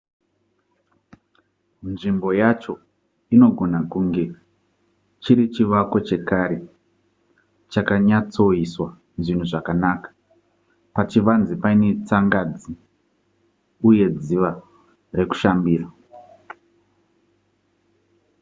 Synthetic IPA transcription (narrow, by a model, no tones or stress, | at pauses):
nʐimbo̞jat͡ʃo̞ | ino̞ɡʱo̞nakuŋɡe̞ | t͡ʃiɾit͡ʃiʋako̞t͡ʃe̞kaɾe̞ | t͡ʃakaɲat͡so̞iswa | ʐin̤uʐakanaːkḁ | pat͡ʃiʋanzipaine̞t͡saŋɡad͡zi | uje̞d͡ziʋa | re̞ku̥ʃambiːra